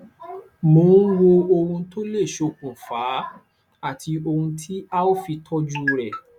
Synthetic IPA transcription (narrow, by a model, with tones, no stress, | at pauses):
moː˨˦n̩˦wo˧o˧ɾ̃ũ˧to˦le˦˨ʃo˧˨kũ˨faː˨˦ | a˦˨tʰi˧o˧ɾũ˧tʰi˦a˦o˦fi˧tʰɔ˦d͡ʒu˦˧ɾɛ˨